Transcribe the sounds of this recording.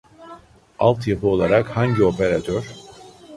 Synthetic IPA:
alˠt̪japʰɯo̞lˠaɾakhaɲɟio̞pʰeɾat̪ʰøɾ̥

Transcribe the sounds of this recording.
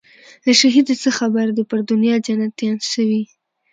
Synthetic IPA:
laʃaɦid̪səxabaɾd̪əpəɾd̪ʊnjɑd͡ʒanat̪ːjɑnʃəwi

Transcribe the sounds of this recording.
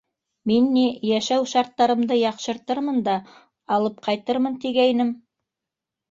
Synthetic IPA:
minːijæʃæwʃɑɾt̪ːɑɾɤ̆md̪ɤjɑqʃɤ̆ɾt̪ɤɾmɤnd̪ɑː | lˠɤp̚qʰɑjt̪ɤɾmɤnt̪iɡæjnɘm

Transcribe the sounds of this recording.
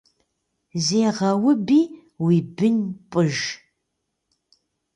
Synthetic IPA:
zeːʁɐwʊbiː | wiːbɨnpʼɨʒ

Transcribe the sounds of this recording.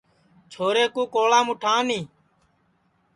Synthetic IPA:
t͡ʃʰoːɾeːkũːkoːlaːmʊʈʰãːnĩː

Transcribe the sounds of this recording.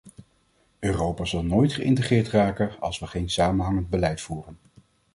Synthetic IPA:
øːrowpaːzɑlˠnojtχəɪ̰ntəχɪːɹtraːkənɑ̰lˠsʋəχejnsaːmənɦɑŋənd̚bəlɛjtfuːrən

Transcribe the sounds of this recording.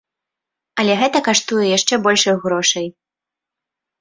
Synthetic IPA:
ɐlʲɛɣɛt̪ɐkaʂt̪ujɛjaʂt͡ʂɛbɔlʲʂɐjɣɾɔʂɐj

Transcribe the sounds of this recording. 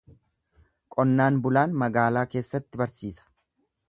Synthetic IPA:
kʼɔnːaːnbʊlaːnmɐɡaːlaːke̞ːsːɐt̪ːɪbɐɾsiːsɐ̥

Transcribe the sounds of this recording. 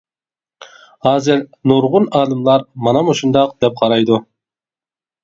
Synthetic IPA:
hɑːzɪɾnoɾʁʊnɑːlˠɨmlˠɑɾmɑnɑmoʃund̪ɑqd̪̥ɛp̚qʰɑɾɑjd̪u

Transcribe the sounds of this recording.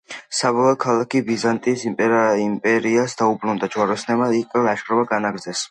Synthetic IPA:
sabɔlˠɔkʰalˠakʰibizant̪ʼisimpʼɛɾaimpʼɛɾiasd̪aubɾund̪at͡ʃwaɾɔsnɛmaikʼɛlaʃɾɔbaɡanaɡɾd̪zɛs

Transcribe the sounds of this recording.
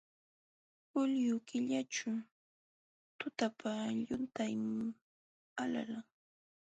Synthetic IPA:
ʊljʊkɪʎaʈ͡ʂʊ | t̪ʊt̪apʰaʎʊnt̪ajmŋ | ala̰laŋ

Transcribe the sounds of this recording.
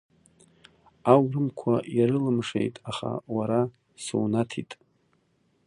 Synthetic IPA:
awrɨmkʷʰaɾɨlɨmʂḛjtʼaχa̰waɾa | sṵwnatʰitʼ

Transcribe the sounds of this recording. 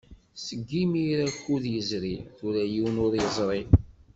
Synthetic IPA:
səɡːimiɾækːuðjəzɾiθuɾæjiwnʊɾjəzˤɾˤi

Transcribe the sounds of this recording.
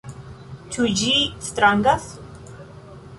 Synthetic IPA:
tʰud͡ʑist̪ɾaŋɡas

